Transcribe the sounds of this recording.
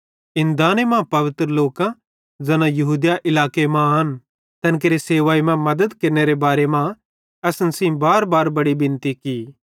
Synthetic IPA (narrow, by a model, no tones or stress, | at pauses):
ɪ̃nd̪aːnemãpɐʋɪt̪ɾəloːkã | d͡ʒɐnãjɐɦuːd̪jaʔɪlaːkemãɐn | t̪ɐnk̬eɾeseːʋaːimãmɐd̪əd̪kɐɾneɾebaːɾemã | ɐsnsĩbaːɾbaːɾbɐɽibɪ̃nt̪iki